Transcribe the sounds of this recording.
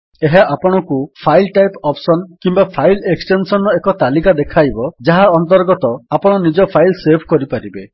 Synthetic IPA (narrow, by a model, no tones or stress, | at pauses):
eɦaʔapɔɽ̃ɔkupʰajlʈajpɔpsɔnkimbapʰajleksʈensɔnɔekɔt̪alikad̪ekʰajbɔd͡ʒaɦaɔnt̪ɔɾɡɔt̪ɔapɔɽ̃ɔnid͡ʒɔpʰajlsebʰʱkɔɾipaɾibe